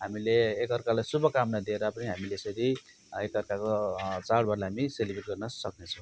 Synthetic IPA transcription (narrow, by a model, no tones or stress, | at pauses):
ɦamileːkʌrkalajsubʌkamnad̪ieɾʌpʌniɦamilesʌɾi | ekʌrkakot͡saɽbarlaɦamiselibriʈ̚ɡʌrnʌsʌknet͡sʰʌw